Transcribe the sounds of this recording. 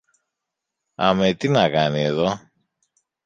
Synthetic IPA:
ɐ̰met̪inɐkɐnieðo̞

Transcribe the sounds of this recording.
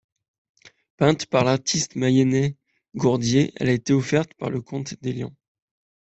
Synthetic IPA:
pɛ̃t̪paʁlaʁt̪ʰist̪majɛnɛ | ɡɔʁd̪jeʔɛ̰laet̪eɔfɛʁt̪pa̰ʁləkʰɔ̃t̪d̪eljɑ̰̃

